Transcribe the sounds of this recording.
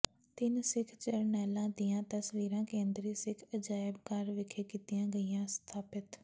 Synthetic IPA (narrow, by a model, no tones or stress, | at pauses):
t̪ɪnsɪkʰt͡ʃəɾnɛːlãːd̪ijãːt̪əsʋiːɾãːkẽːnd̪ɾiːsɪkʰəd͡ʒaːɪbkəɾʋɪkʰeːkiːt̪ɪjãːɡəijãːst̪ʰaːpɪt̪